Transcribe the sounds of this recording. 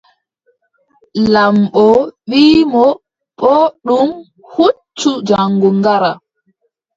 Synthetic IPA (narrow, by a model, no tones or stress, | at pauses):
lamɓɔɓiːmɔ | ɓɔɗum | hut͡ʃːud͡ʒaŋɡuŋɡaɾa